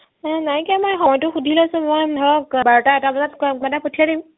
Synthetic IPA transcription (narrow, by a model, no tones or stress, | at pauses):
najkɛmojxɔɔjtʊxudʱilɛasʊ̃mojʱɛɹɔk̚baɹɔtaɛtabazatmatapotʰiadim